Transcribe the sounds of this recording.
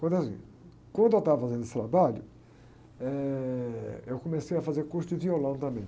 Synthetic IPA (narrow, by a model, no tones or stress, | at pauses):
kwɐ̃nd̪asḭ̃ | kwɐ̃nd̪ewt̪avɐfazẽnd̪esɪt̪ɾabaʎʊ | ɛ | ewkõmesejɐfazeɾkust̪ʊviolɐ̃t̪ɐ̃mẽj̃